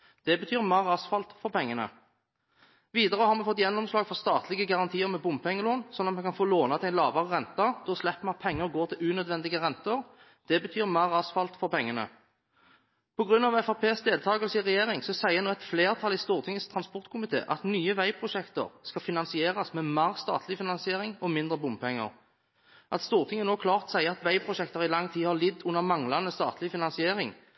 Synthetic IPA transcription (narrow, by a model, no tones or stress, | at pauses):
d̪̥ɛbət̪ʰyːʁmæːʁɑsfɑlt̪fɔʁpʰɛŋːənə̰ | ʋiːd̪əʁəhɑɾʁmɛfɔt̪ːjɛnːɔmslɑːɡfɔʁst̪ɑːt̪lɪɡəɡɑʁɑnt̪ʰiːəɾmɛbʊmpʰɛŋːəloːnsɔnːɑt̪mɛkʰɑnfoːloːnɑt̪ɪæɪnlɑːbɑʁʁɛnt̪ɑd̪̥ʰɛɔslɛpːmɛɑt̪̚pʰɛŋːəʁɡoːʁt̪ʰɪlʉːnœd̪ʋɛnd̪ɪɡəʁɛnt̪əʁ | d̪̥ɛbət̪ʰyːʁmæːʁɑsfɑlt̪fɔʁpɛŋːənə̰ | pʰɔɡʁʉnːɑʋɛfɑpʰeːsd̪eːlt̪ʰɑːɡəlsəɪʁɛjeːʁɪŋsɔsæɪənoːɛt̪fleːʁt̪ʰɑlɪst̪uːʁt̪ʰɪŋːəst̪ʰʁɑnspɔʁt̪̚kʰʊmɪt̪ʰḛːʔɑt̪nyːəʋæɪpʰʁʊʃɛkt̪ə̰ʁskɑfɪnɑnsɪeːʁɑsmɛːmæːʁst̪ɑ̰ːt̪ʰlɪfɪnɑnsɪeːʁɪŋɔmɪnd̪ʁəbʊmpʰɛŋːə̰ʁ | ʔɑt̪st̪uːʁt̪ʰɪŋːənoːkʰlɑːʁt̪ɔ̥sæɪəɑt̪ʋæɪpʰʁʊʃɛkt̪əʁɪlɑŋːt̪ʰiːhɑʁlɪd̪ʊnːəʁmɑŋlɑnəst̪ɑ̰ːt̪ʰlɪfɪnɑnsɪeːʁɪŋ